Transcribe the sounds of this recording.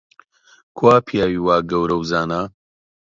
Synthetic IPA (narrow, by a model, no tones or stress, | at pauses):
kʰwaːpʰijaːwiːwaːɡɐwɾɐwzaːnaː